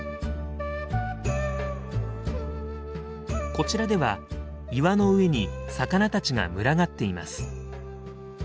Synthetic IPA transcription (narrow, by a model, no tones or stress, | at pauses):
ko̞t͡ɕiɾad̪e̞βa | iβano̞ɯ̟e̞ɲ̟isakanat̪at͡ɕiŋa̰mɯ̟ɾaɡat̪ːe̞ima̰sɨ̥